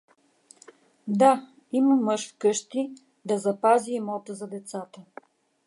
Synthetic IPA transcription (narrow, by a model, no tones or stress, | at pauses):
d̪a | iməmɤʃfkɤʃt̪i | d̪ɐzɐpaziːmɔt̪əzɐd̪ɛt̪sat̪ə